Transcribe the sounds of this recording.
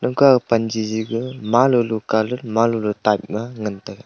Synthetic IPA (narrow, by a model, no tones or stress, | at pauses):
nɯŋkapand͡ʒiziɡɯmalulukalɯlmalulutajp̚maŋɯntaɡa